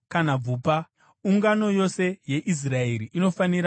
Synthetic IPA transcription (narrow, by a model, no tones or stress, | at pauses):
kanab͡vuːpa | uŋɡano̞jo̞se̞je̞ʔis̬rae̞ɾiʔino̞faniɾa